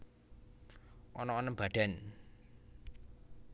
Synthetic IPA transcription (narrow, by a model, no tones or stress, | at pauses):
ʔɔnɔːnəmb̥a̤ɖ̪̥a̤n